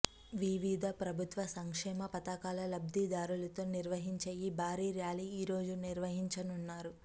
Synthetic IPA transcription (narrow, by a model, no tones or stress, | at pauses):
ʋiʋid̪ʱɐpɾɐbʱut̪ʋɐsɐŋkʂɛːmɐpɐt̪ɐkaːlɐlɐb̚d̪ʱid̪aːɾulɐt̪o̞ːniɾʋɐɦiɲt͡ʃeːjibʱaːɾiːɾjaːliːiːɾo̞ːd͡ʒuniɾʋɐɦiɲt͡ʃɐnunːaːɾu